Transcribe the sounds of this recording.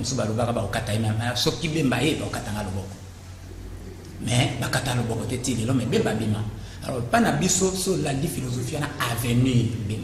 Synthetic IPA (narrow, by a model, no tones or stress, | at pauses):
osobalobakabaokatajemɛmsɔkibembajebaokataŋɡalobɔkɔ̥ | mɛbakatalobɔkɔtɛtielɔmɛbembabema | a̰lɔ̰panabisosolandifilozofianaavɛnibe